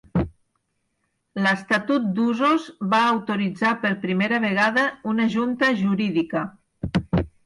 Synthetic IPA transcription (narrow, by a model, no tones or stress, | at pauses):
ləst̪at̪ut̪̚d̪uzozβaːwt̪uɾid͡zapəɾpɾimeɾəβ̞eɣ̞aðəunəʒunt̪əʒuɾiðikə